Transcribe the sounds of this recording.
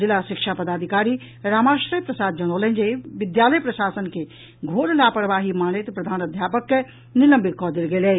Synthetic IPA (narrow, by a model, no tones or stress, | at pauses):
zɪlaʃɪkʃapɐd̪aːd̪ʱɪkaːɾi | ɾaːmaːʃɾəjpɾɐsaːd̪̚d͡ʒɐɽ̃oːlə̃d͡ʒeʋɪd̪jaːləjpɾɐʃaːsənkʰe | ɡʱoːɾlaːpəɾʋaːɦimaːñɪt̪pɾɐd̪ʱaːnɐd̪ʱjaːpək | nɪlɐ̃mbɪt̪̚kɔd̪ɪlɡeːle